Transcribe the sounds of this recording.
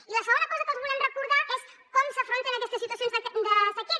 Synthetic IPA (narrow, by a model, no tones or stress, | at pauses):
ilɐsəɣõnd̪ɐkɔzɐkozβulemrəkuɾðaʔes | komsafɾont̪enakɛst̪esːit̪was̬jonzd̪əseki